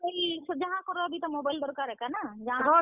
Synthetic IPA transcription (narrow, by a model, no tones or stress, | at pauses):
lsd͡ʒəɦãkɔɾɔəbʱit̪ɔmobajld̪ɔɾkaɾɦɛkanad͡ʒɐɦãɡɔ